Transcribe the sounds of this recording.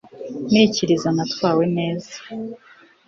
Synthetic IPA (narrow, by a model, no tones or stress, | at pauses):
niːciɾizanatwaːwe̞ne̞ːzḁ